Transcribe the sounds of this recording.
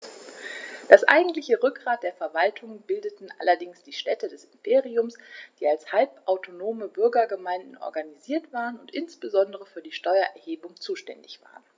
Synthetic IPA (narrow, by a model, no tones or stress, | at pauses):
d̥asʔa̰ɪɡŋ̩tlɪçəʁʏk̚ɡ̥ʁaːt̚d̥eːɐfɛɐvaltʰʊŋbɪldətn̩ʔa̰lɐdɪŋsd̥iːʃtɛtədɛsɪmpʰeːʁiʊmsd̥iːalshalpʔaʊtʰonoːməbʏɐɡɐɡəmaɪndn̩ʔɔ̰ɐɡaniziːɐtv̥aːʁənʊntʔɪnsb̥əzɔndəʁəfyːɐdiːʃtɔʏɐʔɛɐheːbʊŋt͡suːʃtɛndɪçv̥a̰ːʁən